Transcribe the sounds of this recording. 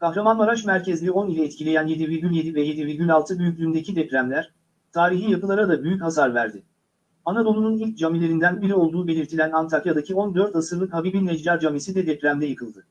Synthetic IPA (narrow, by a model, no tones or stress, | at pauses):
kʰahɾamanmaɾat͡ʃmæɾcɛzlʲio̞nilʲɛɛt̪cʰilʲejænje̞d̪iviɾɟylʲje̞d̪ivɛje̞d̪iviɾɟylʲalˠt̪ʰɯbyjycʲlʲyːnd̪e̞cʰid̪ɛpɾʲæmlʲæɾ̥ | t̪ʰaːɾiɦijakʰɯlˠaɾad̪abyjychasaɾvæɾd̪ɪ | anad̪o̞lˠununilʲc̚d͡ʒamilʲe̞ɾind̪ænbiɾio̞lˠd̪uːbe̞lʲiɾt̪ʰilʲænant̪ʰakjad̪acʰio̞nd̪ø̞ɾt̪asɯɾlˠɯkhabibinːɛd͡ʒd͡ʒaɾd͡ʒamisid̪ɛd̪ɛpɾæmd̪ɛjɯkʰɯlˠd̪ɯ